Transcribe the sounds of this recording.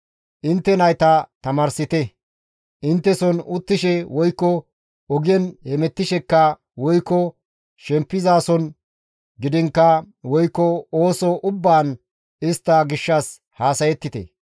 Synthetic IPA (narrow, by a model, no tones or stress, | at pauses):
ʔɪnt̪ːɛnɐjt̪ɐt̪ɐmɐːɾsɪt̪ɛ | ʔɪnt̪ːɛsɔnʊt̪ːɪʃɛwɔjkːɔ | ɔɡɪjɛnhɛmɛt̪ːɪʃɛkːɐ | wɔjkːɔ | ʃɛmpːɪzaːsɔn | ɡɪd̪ɪŋkːɐ | wɔjkːɔoːsɔʔʊbːaːn | ɪst̪ːɐɡɪʃːɐs | haːsɐjɛt̪ːɪt̪ɛ̰